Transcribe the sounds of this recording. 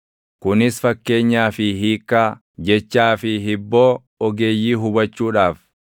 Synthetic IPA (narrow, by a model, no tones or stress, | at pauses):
kʊnɪsfɐkːe̞ːɲːaːfɪɦiːkːaː | d͡ʒɛt͡ʃːaːfɪɦɪbːo̞ː | ɔɡe̞ːjːiːɦʊbɐt͡ʃːuːᶑaːf